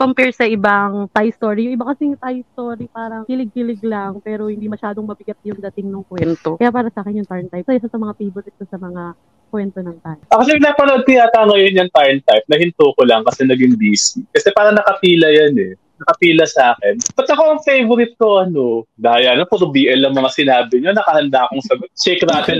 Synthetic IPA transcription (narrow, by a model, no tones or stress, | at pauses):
kompɛɹsɐʔɪbaŋt̪ajst̪o̞ːɾijʊŋʔɪbakɐsit̪ajst̪o̞ːɾipaːɾɐŋkɪlɪɡ̚kɪlɪɡlɐŋpɛːɾo̞hɪnd̪imɐʃaːd̪o̞ŋmɐbɪɡat̪̚jʊŋd̪ɐt̪ɪŋnʊŋkwɛnt̪o̞kɐjapaːɾɐsɐʔaːkɛnjʊŋt̪aɹnt̪ajp̚sɐjɪsasɐmɐŋafejvoɾɪt̪̚kosɐmɐŋa | kwɛnt̪o̞nɐŋt̪ajʔɐkoʃapɪnaːpɐnoʔod̪̚kɐjat̪aŋɐjonjɐŋt̪aɹnt̪ajp̚nɐhɪnt̪oːkolɐŋkɐsɛnɐɡɪŋbiːsikɐsɛpaːɾɐŋnɐkɐpiːlɐjanɛ | nɐkɐpiːlɐsaːkɛnb̥ɐt̪lɐkoɐŋfejvoɾɪt̪̚ko̞ʔɐno̞d̪aːjɐnɐpʊɾbiːʔɐlɐŋmɐŋasɪnaːbɪɲonɐkɐhɐnd̪aʔkoŋsɐɡot̪̚t͡ʃɛjkɾaːt̪ɛ